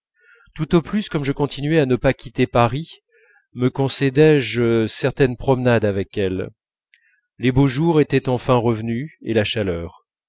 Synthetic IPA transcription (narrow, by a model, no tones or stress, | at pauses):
t̪ut̪oplyskɔmʒəkɔ̃t̪ʰinɥɛanəpakʲit̪epaʁi | məkɔ̃sɛd̪ɛʒsɛʁt̪ɛnpχɔmnad̪avɛkɛl | leboʒuʁet̪ɛt̪ɑ̃fɛ̃ʁəvnyḛlaʃalœːʁ